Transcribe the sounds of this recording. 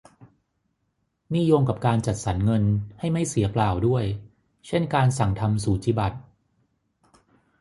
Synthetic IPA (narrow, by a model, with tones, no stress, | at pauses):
ni˥˩jo˧ŋka˨˩p̚kaː˧nt͡ɕa˨˩t̪̚sa˩˦nŋɤ˧nha˥˩jma˥˩jsi˩˦ɐklaː˨˩wdu˥˩əj | t͡ɕʰe˥˩nkaː˧nsa˨˩ŋt̪ʰa˧msuː˩˦t͡ɕiː˧ba˨˩t̪̚